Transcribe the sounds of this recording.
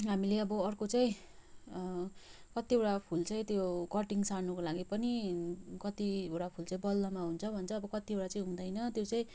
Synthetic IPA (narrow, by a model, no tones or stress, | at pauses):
ɦamileʌbʌʌrkot͡saĩ | kʌt̪iewʈapʰult͡sʌĩt̪jokʌʈiŋsanukolaɡipʌnikʌt̪iewʈapʰult͡saĩbʌlːʌmaɦunt͡sʰʌbʱʌnt͡sʰʌːbʌkʌt̪iewʈat͡saĩɦũd̪ʌjnʌt̪jot͡saĩ